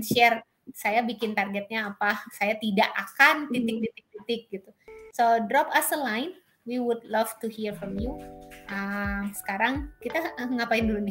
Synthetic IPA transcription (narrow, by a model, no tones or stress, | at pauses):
nʃɛr | sajabikɪnt̪arɡɛt̪̚ɲaːpahsajat̪idaʔakant̪it̪ɪk̚t̪it̪ɪk̚t̪it̪ɪk̚ɡit̪usodɾɔpasəlajn | wiwudlavt̪uhirfɾɔmjuʔəmsə̥kaɾaŋkit̪aəŋapaindulunɪ